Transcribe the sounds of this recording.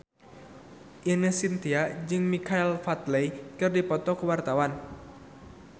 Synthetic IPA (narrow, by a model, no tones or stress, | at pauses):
ʔinəhsint̪iaʔd͡ʒɨŋmikailfat̪lejkɨrdipɔt̪ɔkəwart̪awan